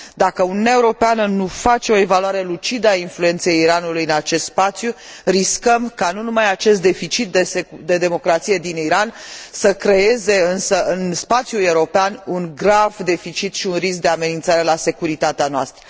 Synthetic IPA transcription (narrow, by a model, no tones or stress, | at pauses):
d̪akəununʲaeuɾo̞peanənufat͡ʃe̞o̞e̞valuaɾe̞lut͡ʃid̪əainflue̞nt̪sejiɾanulujɨnat͡ʃe̞st̪spat̪sju | ɾiskəmkanunumajat͡ʃe̞st̪d̪e̞fit͡ʃit̪̚d̪esed̪e̞d̪e̞mo̞kɾat̪sije̞d̪iniɾansəkɾe̞e̞ze̞ɨnsəɨnspat̪sjule̞uɾo̞peanuŋɡɾavd̪e̞fit͡ʃit̪ʃiunrisk̚d̪e̞ame̞nint̪saɾe̞lase̞kuɾit̪at̪eanoa̰st̪ɾə